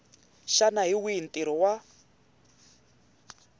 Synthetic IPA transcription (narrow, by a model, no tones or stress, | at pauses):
ʃanaɦiwiintʼiɾɔwa